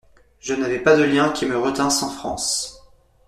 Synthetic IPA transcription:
ʒənavɛpad̪əljɛ̃kʲiməʁət̪ɛ̃sɑ̃fχɑ̰̃s

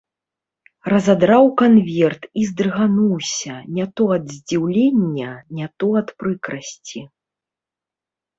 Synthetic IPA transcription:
rɐzad̪ɾawkanvʲɛrt̪izd̪rɣanuwsʲɐnʲat̪ɔɐd̪zʲd͡zʲiwlʲenʲːɐnʲat̪ɔɐt̪pɾɨkɾɐsʲt͡sʲi

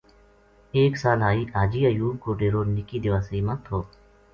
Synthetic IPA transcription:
eːksaːlaːiːʔaːd͡ʒiːəjuːb̚koːɖeːɾoːnɪkiːd̪ɪʋaːsəiːmãːt̪ʰoː

